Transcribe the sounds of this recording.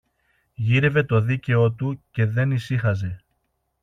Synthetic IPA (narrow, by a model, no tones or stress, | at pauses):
ʝiɾe̞ve̞t̪o̞ðice̞o̞t̪uce̞ðe̞nisixɐze̞